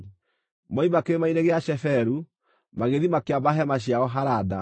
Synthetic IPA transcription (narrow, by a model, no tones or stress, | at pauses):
mɔimakeemaineɣeaʃɛfɛɾu | maɣeðimakeabaɦɛmaɕ̬jaɔɦaɾada